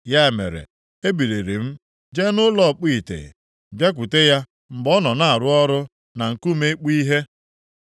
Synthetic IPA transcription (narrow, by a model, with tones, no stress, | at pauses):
ja˦e˨mḛ˨ɾḛ˨ | e˦bi˨ɾe˨ɾi˨m̩˦ | d͡ʒe˦nʊ˦lɔ˦˨k͡pi˦˨tḛ˨ | bje˦k̬ʷʊ˨te˦ja˦ | m̩˨ɡ͡bɔ˦nɔ˨na˨a˨ɾʊ˦ɔ˦ɾʊ˦ | na˨ŋ̩˨ku˦me˦k͡pi˦ɦe˦